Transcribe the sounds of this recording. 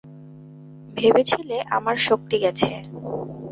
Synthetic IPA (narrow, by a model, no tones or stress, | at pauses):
bʱebet͡ɕʰileʔa̰maɾʃok̚t̪iɡɛt͡ɕʰe